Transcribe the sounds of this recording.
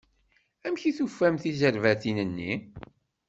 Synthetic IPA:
æmçiθufːæmθizəɾvæθinənːi

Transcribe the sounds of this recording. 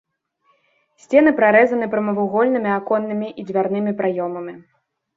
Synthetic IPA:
sʲt͡sʲɛn̪ɨpɾaɾɛzɐnɨpɾɐmɐvuwɣɔlʲnɨmʲiakɔnːɨmʲiʔid͡zʲvʲarnɨmʲipɾajɔmɐmʲi

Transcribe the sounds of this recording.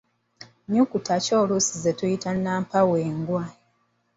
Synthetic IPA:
ɲukutʰaco̞ːlusizetujitanːaːmpaweːŋɡwa

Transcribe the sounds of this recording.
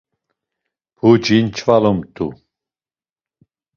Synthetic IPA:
pud͡ʒint͡ʃʰvalɔmt̪ʰu

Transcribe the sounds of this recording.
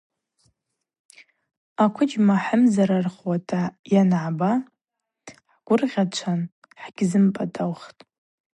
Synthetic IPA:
akʷʰʊd͡ʒmaħəmzaɾarχwatʰajanʕaba | ħɡ̥ʷʊrʁʲat͡ʃʷʰan | ħɡ̥ʲzɨmpʼatʼawχtʼ

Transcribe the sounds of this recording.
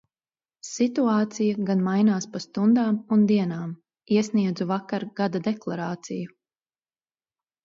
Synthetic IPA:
sit̪uaːt̪sijaɡanmajnaːspast̪und̪aːmund̪iɛnaːm | iɛsniɛd̪zuvakaɾɡ̥ad̪ad̪ɛklˠaɾaːt̪siju

